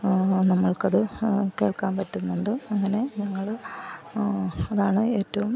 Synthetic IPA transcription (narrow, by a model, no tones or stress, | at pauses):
nɐmːɐɭkɐðɨke̞ːɭkaːmpɐtːunːuɳɖɨɐŋːɐne̞ɲɐŋːɐɭ | ɐðaːɳɨe̞ːtːɐʋum